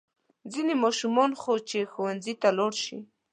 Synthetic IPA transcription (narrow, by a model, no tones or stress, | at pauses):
zinemɑʃumɔnxot͡ʃexowanzit̪alɑɽʃi